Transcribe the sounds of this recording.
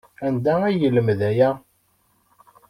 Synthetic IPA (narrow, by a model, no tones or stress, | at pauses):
ænd̪ææjələmðæjæ